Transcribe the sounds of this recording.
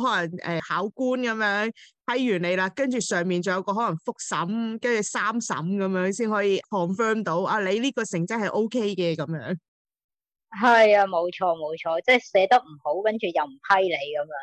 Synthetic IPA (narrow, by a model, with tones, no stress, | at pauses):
ɦɔː˨˦˥lɐ˨˩ŋʔɛ̰ː˨haː˨˥wkuː˥nkɐ˨˥mjœː˨˥ŋpʰɐ˨˥jːyː˨˩ne˨˧jlaː˧kɐ˥nt͡ʃyː˨sœː˨ŋmiː˨nt͡sɐ˨wjɐ˨˧wkɔː˧ɦɔː˨˥lɐ˨˩ŋfʊ˥k̚sɐ˨˥mkɐ˥nt͡ʃyː˨˩saː˥msɐ̰˨˥mkɐ˨˦mjœː˨˥ŋsiː˥nhɔː˨˥jiː˧kʰɔː˨ŋfœː˥mt̪o˨˥wʔaː˧le˨˧jliː˥kɔː˧sɪ˨˩ŋt͡sɐ˥hɐ˨˩jʔo˥wkʰe˥jkɛː˧kɐ˨˦mjœ̰ː˨˥ŋ | ɦɐ˨ja˧mo˨˧wt͡ʃʰɔː˧mo˨˧wt͡ʃʰɔː˧t͡sɛː˥˩jsɛː˨˧t̪ɐ˥k̚m̩˨˩ho˨˥wkɐ˥nt͡ʃy˨jɐ˨wm̩˨˩pʰɐ˥jle˨˧jkɐ˨˦mjː